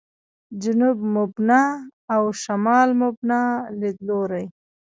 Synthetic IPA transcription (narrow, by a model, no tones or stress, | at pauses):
d͡ʒʊnubmʊbnaːwʃamɑːlmʊbnaled̪loɾaj